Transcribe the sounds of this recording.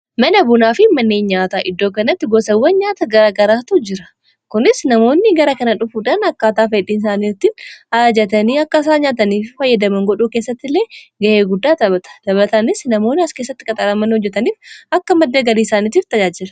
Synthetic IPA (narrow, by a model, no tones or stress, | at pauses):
mɐnɐbʊnaːfɪmɐnːeːɲɲaːt̪aːʔɪd̪ːoːkɐnɐt̪ːɪɡɔsɐwːɐnɲaːt̪ɐɡɐɾaːɡɐɾaːt̪uːd͡ʒɪɾɐ̥ | kʊnɪsnɐmo̞ːnːɪɡɐɾɐkɐnɐᶑʊfuːᶑanɐkːaːt̪aːfɐɛᶑiːnɪs̬aːniːɾt̪ːɪnaːd͡ʒɛt̪ɐniːɐkːɐs̬aːɲaːt̪̬ɐniːffɐjːɐd̪ɐmɐŋɡɔᶑuːkeːsːɐt̪ːɪlːe̞ːɡɐheːɡʊd̪ːaːt̪ɐbɐt̪ɐ̥t̪ɐβɐt̪ɐnɪsnɐmo̞ːnːɪɐskeːsːɐt̪ːɪkʼɐt̪ʼɐɾɐmɐnhɔd͡ʒːɛt̪ɐniːfɐkːɐmɐd̪ːɐɡɐliːsaːniːt̪iːft̪ɐd͡ʒaːd͡ʒɪlɐ̥